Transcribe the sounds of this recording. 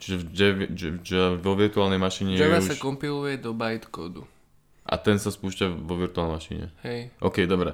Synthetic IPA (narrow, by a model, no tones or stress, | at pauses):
t͡ʃiʒɛd͡ʒɛʋɛd͡ʒʋɔʋiɾt̪uaːlnɛjmaʃiːɲɛjɛɛasusaʃkɔmpilujɛd̪ɔbajt̪kɔd̪u | ʔa̰t̪ɛnsaspuːʃcaʋɔʋiɾt̪ualmaʃḭɲɛ̰hɛjʔɔkɛjd̪ɔbɾɛ